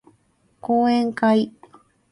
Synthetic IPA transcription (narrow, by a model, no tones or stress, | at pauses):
kueŋkaj